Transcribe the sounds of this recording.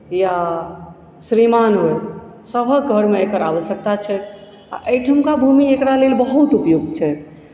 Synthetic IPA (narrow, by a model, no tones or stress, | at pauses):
ja | sɾimanɦoe | səbʱəɡʱəɾmeekəɾaʋəsjək̚t̪at͡ʃʰɛ | a̰ʔəjʈʰəmkabʱumiekɾalelbəɦut̪upjuɡ̚d̪t͡ʃʰɛ